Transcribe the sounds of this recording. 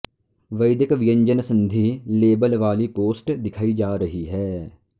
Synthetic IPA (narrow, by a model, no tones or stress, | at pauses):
ʋɐɪd̪ɪkʋɪjə̃ɲd͡ʒənsɐ̃nd̪ʱileːbəlʋaːlipoːsʈd̪ɪkʰaːid͡ʒaːɾɐɦiɦɛː